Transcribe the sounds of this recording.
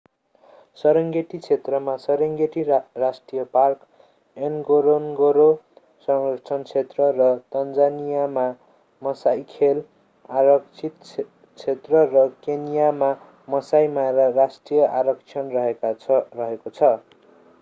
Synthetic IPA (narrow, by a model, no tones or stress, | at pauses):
sʌɾʌŋɡeʈit͡sʰet̪rʌmasʌɾʌŋɡeʈirasʈrijʌpark | enɡoɾonɡoɾo | sʌŋɾʌt͡sʰʌnt͡sʰet̪rʌrʌt̪ʌnd͡zanijama | mʌsajkʰel | aɾʌkt͡sʰit̪ | t͡sʰet̪rʌrʌkenijama | mʌsajmaɾarasʈrijʌʔaɾʌk̚t͡sʰʌnrʌɦekarʌɦekot͡sʰʌ